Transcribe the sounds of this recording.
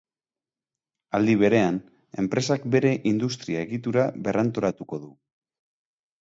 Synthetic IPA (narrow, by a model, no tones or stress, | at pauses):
ald̪iβ̞e̞ɾe̞an | e̞̰mpɾe̞sakbe̞ɾe̞ʔind̪ust̪ɾiae̞ɣit̪uɾaβe̞rant̪o̞ɾat̪uko̞ðu